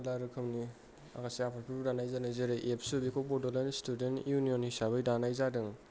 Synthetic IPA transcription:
laɾɯkʰɯmni | a̰kʰasiapʰaɾpʰiɾbdanajzanajzeɾɯʔepʰsubikʰobɔdolenstudentjunionhisabɐjdanajzadɯŋ

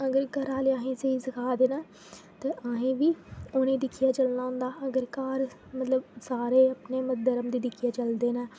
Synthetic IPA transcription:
əɡəɾkəɾaːleaːɦĩːseisəkʰaːd̪eːnaː | t̪eːʔaːɦĩːʋiːoːnẽːd̪ɪkʰijaːt͡ʃəlnaːɦʊ̃ːnd̪aːəɡəɾkaːɾ | mət̪ləbsaːɾeːəpneːməd̪əɾəmd̪iːd̪ɪkʰijaːt͡ʃəld̪eːnaː

